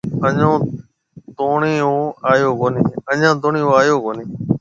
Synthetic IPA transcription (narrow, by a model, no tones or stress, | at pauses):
əɲõː | d̪oːɳeːõːaːjoːkoːniːəɲãːd̪oːɳĩːɦoːaːjoːkoːniː